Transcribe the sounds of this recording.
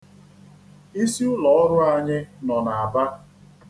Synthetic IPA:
i˦si˦ʊ˦lɔ˨ɔ˦ɾʊ˦a˨ɲɪ˦nɔ˨na˨a˨ba˦

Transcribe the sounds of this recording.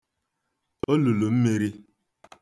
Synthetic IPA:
o˦lu˨lu˨m̩˦mi˦ɾi˦

